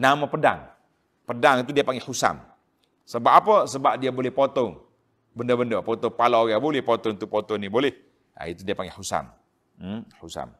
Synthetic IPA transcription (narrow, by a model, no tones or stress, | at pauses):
namapəda̰ŋ | pədaŋit̪udiapaŋɡehusa̰m | səbap̚apəsəbap̚diabolɛhpot̪ɔŋ | bəndəbəndəpɔt̪ɔŋpalaɡabolɛhpot̪ɔŋt̪upot̪ɔŋnibolɛh | a̰it̪udiapaŋɡehusa̰m | husa̰m